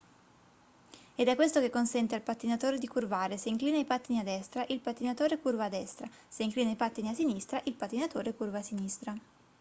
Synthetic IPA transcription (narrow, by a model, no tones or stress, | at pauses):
ed̪ɛkːwest̪okekːonsɛnt̪ealpat̪ːinat̪oːɾed̪ikurvaːɾeseiŋkliːnaipat̪ːiniad̪ːɛst̪ɾaʔilpat̪ːinat̪oːɾekurvaːd̪ːɛst̪ɾaseiŋkliːnaipat̪ːiniasinist̪ɾaʔilpat̪ːinat̪oːɾekurvaːsinist̪ɾa